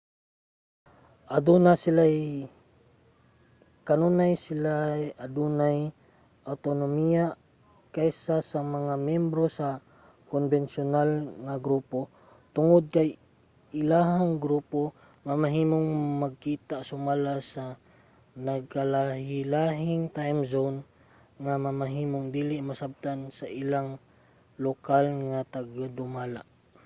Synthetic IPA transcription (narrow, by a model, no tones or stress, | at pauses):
ʔɐd̪unasɪlaj | kɐnonajsɪlaʔɐd̪unaj | ʔawt̪onomija | kajsasɐmɐŋamjɛmbɾosa | konvɛnsʊnalŋɐɡɾuːpo | t̪ʊŋod̪̚kɐj | ʔɪlaːɦaŋɡɾuːpo | mɐmɐɦiːmoŋmɐɡ̚kiːt̪aʔsʊmaːlasɐ | nɐɡ̚kalahɪlaɦɪŋt̪ajmzon | ŋamɐmɐɦiːmoŋd̪iːlɪʔmɐsab̚t̪ansɐʔɪlaŋ | lokalŋat̪aɡad̪ʊmaːla̰ʔ